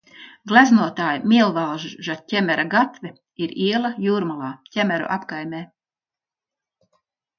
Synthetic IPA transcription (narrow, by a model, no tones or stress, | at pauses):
ɡlˠæznuɔt̪aːjmʲiɛlˠvalˠʒʒacʲɛmʲæɾaɡat̪vʲɛ | iɾiɛlˠajuːɾmulˠaːcʲɛmʲæɾṵʔapkajmʲɛː